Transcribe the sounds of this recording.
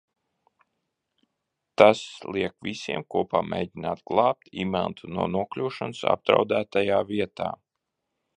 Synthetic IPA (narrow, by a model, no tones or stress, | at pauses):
t̪aslˠiɛkvʲisiɛmkuɔpaːmʲʔḛːɟinaːt̪ɡ̥lˠɑːp̚t̪imɛ̰lˠt̪unuɔnuɔklʲuːʃansa̰p̚d̪ɾa̰wd̪æːt̪ajaːviɛt̪a̰ː